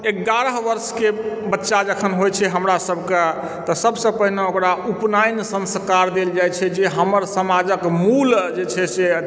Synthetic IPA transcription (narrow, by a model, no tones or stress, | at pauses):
eɡaɾəɦʋəɾskebətːʃad͡ʒəkʰənɦojt͡ʃʰɛɦəmɾasəbʱke | t̪ɔsəbsə̃pəɦineokɾaupnajnsə̃nskaɾd̪eld͡ʒajt͡ʃʰɛd͡ʒeɦəməɾsəmad͡ʒəkmuld͡ʒet͡ʃʰɛse